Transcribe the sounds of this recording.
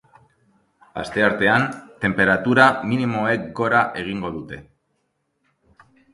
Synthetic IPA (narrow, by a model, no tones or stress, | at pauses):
a̰st̪e̞aɾt̪e̞ant̪e̞mpe̞ɾat̪uɾaminimo̞e̞kɡo̞ɾaʔe̞ɣ̞iŋɡo̞ðut̪e̞